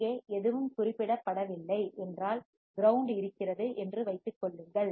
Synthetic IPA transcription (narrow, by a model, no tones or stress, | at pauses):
eːɛðɯʋɯmkʊrɪpːɪɽɐpːɐɽɐʋɪlːɐɪʔɛndraːl | ɡɪɾɐʊɳɖɪɾɯkːɪrɐðɯʔɛndrɯʋɐɪt̪ːɯkːɔɭːɯŋɡɐɭ